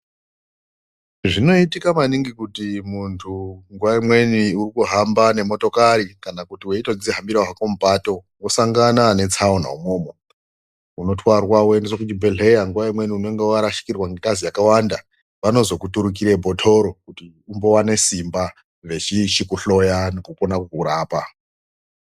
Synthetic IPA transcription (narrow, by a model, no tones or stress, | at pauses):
ʐino̞itikamaniŋɡikutimuntʰuŋɡuwaimwe̞niurikuɦambane̞mo̞to̞kaɾikanakutiwe̞ito̞d͡ziɦambiɾaɦakomupato̞ŋosaŋɡanane̞t͡sʰaona̰umo̞ːmo | uno̞twarwawoendesokutibe̞ɮe̞jaŋɡuwaimwe̞niune̞ŋɡewaɾaʃi̥kirwaŋɡetazijakawanda | ʋano̞zo̞kutuɾukiɾebʱo̞tʰo̞ɾo̞kuti | umbo̞wane̞simba | ʐe̞t͡ʃiʃikuɬo̞janekuko̞nakukuɾaːpa